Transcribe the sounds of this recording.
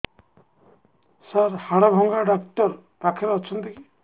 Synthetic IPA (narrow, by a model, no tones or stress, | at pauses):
saɾhaɽabʱɔŋɡaɖakʈɔɾ | t̪akʰeɾɔt͡ʃʰɔnt̪iki